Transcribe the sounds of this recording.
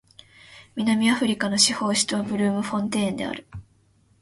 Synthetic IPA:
mʲinamʲiaɸɯ̟ɾʲikano̞ɕiho̞ːɕi̥t͡sɨβabɯ̟ɾɯ̟ːmɯ̟ɸõ̞nt̪̬ẽ̞ːnd̪e̞̰a̰ɾɯ̟

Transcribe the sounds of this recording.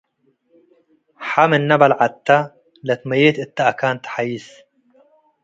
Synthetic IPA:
ħamɪnːabalʕat̪ːa | lat̪majet̪ʔɪt̪ːaʔakaːnt̪ħajiːs

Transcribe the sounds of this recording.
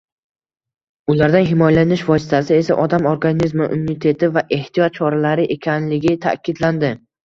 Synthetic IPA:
ʊlaɾd̪anɦɪmɒjalanɪʃvɒsɪ̥t̪ʰasɪe̞sa̰ʔɒd̪amoɾɡanizmɪʔʊnːɪt̪ʰe̞t̪ʰɪvaʔe̞ht̪ʰijɒt̪̚t͡ʃʰɒɾalaɾɪʔe̞kʲʰanlɪɡʲɪt̪ʰa̰kʲʰɪd̪land̪ɪ

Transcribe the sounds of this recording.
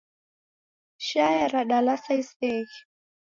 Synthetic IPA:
ʃajaɾaɗalasaisɛɣi

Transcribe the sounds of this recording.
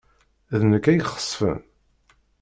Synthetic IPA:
ðnəkːæjχə̥sˤːfə̰n

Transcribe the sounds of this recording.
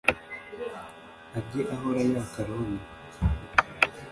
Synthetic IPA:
aɡeʔaɦoɾajakaɾoni

